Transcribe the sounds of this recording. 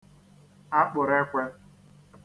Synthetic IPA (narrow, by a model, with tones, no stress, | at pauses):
a˦k͡pʊ˨ɾe˦kʷe˦